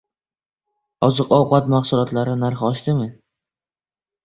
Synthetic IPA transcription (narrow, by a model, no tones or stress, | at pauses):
ɒzɨqɒwqɑt̪maχsʊlˠɒt̪laɾɪnaɾχɒʃt̪ɪmɪ